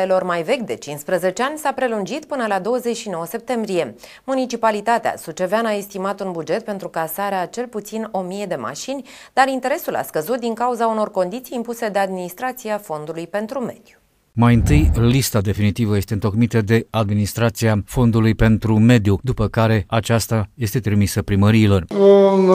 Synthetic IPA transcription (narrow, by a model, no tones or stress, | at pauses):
elo̞rmajve̞kʲd̪e̞t͡ʃinspɾəze̞t͡ʃe̞anʲsapɾe̞lund͡ʒit̪pɨnəlad̪o̞wəze̞t͡ʃʲʃino̞wəse̞p̚t̪e̞mbɾije̞ | munit͡ʃipalit̪at̪ea̰sut͡ʃe̞veanae̞st̪imat̪unbud͡ʒe̞t̪̚pe̞nt̪ɾukasaɾeat͡ʃe̞lput̪sino̞mije̞d̪e̞ma̰ʃinʲd̪aɾint̪e̞ɾe̞sula̰skəzut̪̚d̪iŋkauzauno̞rko̞nd̪it̪sijːmpuse̞d̪e̞ad̪minist̪ɾat̪siafo̞nd̪ulujpe̞nt̪ɾume̞d̪̥ju̥ | majɨnt̪ɨjlist̪ad̪e̞finit̪ivəje̞st̪ent̪o̞kmit̪əd̪e̞ad̪minist̪ɾat̪siafo̞nd̪ulujpe̞nt̪ɾume̞d̪jud̪upəkaɾe̞at͡ʃast̪aje̞st̪e̞t̪ɾimisəpɾiməɾiːlo̞ro